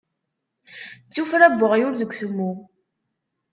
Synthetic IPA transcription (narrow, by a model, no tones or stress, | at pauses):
t͡sːufɾæbːəʁjʊɾðəɡʷθəmːu